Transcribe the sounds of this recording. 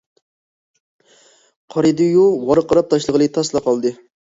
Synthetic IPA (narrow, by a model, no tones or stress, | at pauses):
qʰɑɾɨd̪ɨjuwɑɾəqʰːɑɾɑp̚t̪ʰɑʃlˠəʁəlˠɨt̪ʰɑslˠɑqʰɑlˠd̪ɨ